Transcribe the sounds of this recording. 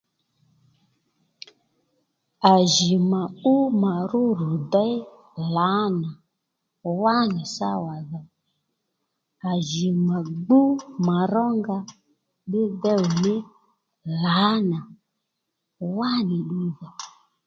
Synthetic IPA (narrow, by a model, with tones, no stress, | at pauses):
a˨ʒi˨ma˨u˦ma˨ɾu˦ɾu˨da˦i˦ | la˨˦na˨ | wa˦ni˨sa˦wa˨ða˨ | a˨ʒi˨ma˨ɡ͡bu˦ma˨ɾɔ˦ŋɡa˦ | ɗɪ˦dɛ˦u˨nɪ˦ | la˨˦na˨ | wa˦nɪ˨ɗi˦ða˨